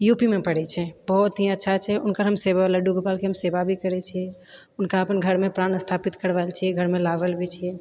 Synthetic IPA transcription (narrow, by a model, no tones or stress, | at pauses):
jupimẽpəɽɛt͡ʃʰɛbɔɦt̪ɦiətːʃʰat͡ʃʰɛʔʊnkəɾɦəmsebalaɖuɡpaːlkeɦəmsebabʱikəɾɛt͡ʃʰiɛ | ʊnkaəpənɡʱəɾmẽpɾaːnəst̪ʰaːpit̪kəɾʋaɪlt͡ʃʰiɛɡʱəɾmẽlaʋəlbʱit͡ʃʰiɛ